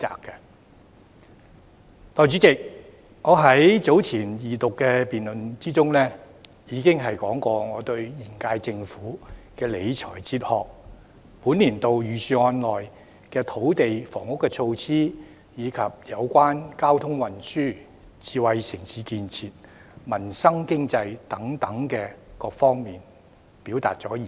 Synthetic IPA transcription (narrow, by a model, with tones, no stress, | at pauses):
t͡sa̰ː˨˧kːɛ˧ | t̪ɔː˨˧jt͡ʃyː˨˥t͡sɪ˨k̚ | ŋɔː˨˧ɦɐ˨˥jt͡so˨˥wt͡sʰiː˨˩njiː˨˩t̪ʊ˨kːɛː˧piː˨nlɵ˨nt͡siː˥t͡sʊ˥ŋlɛː˥ | jiː˨˧kɪ˥ŋɦɐ˨jkɔː˨˥ŋkʷɔː˧ŋɔː˨˧t̪ɵ˧ɥjiː˨˩nkaː˧jt͡sɪ˧ŋfuː˨˥kɛː˧le˨˧jt͡ʃʰɔː˨˩jt͡siː˧t̚hɔː˨k̚ | puː˨˥nliː˨˩nt̪o˨wjyː˨˧sʰyː˧ŋɔː˧nlɔː˨˩j | kɛː˧t̪ʰo˨˥wt̪e˨jfɔː˨˩ŋʊ˥kːɛ˧t͡sʰo˧wt͡sʰiː˥ | jiː˨˧kʰɐ˨p̚jɐ˨˧wkʷwaː˥nkaː˥wt̪ʰʊ˥ŋwɐ˨nsyː˥˩ | t͡siː˨˧wɐ˨jsɪ˨˩ŋsiː˨˧kiː˨˧nt͡sʰiː˨t̚ | mɐ˨˩nsɐ˥ŋkɪ˥ŋt͡sɐ˧jt̪ɐ˨˥ŋt̪ɐ˨˥ŋkɛː˧kɔː˧k̚fɔː˥ŋmiː˨n | pi˨˥wt̪a̰ː˨t̚t͡sɔː˨˥jiː˨